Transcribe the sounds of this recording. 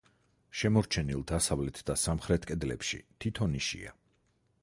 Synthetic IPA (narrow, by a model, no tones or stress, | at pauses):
ʃɛmɔɾt͡ʃʰɛnilˠd̪asavlɛt̪ʰd̪asamχɾɛt̪ʰkʼɛd̪lɛ̰pʃḭt̪ʰit̪ʰɔniʃḭa̰